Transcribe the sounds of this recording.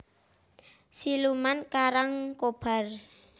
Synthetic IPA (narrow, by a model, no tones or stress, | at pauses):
silumankaɾaŋkob̥a̤r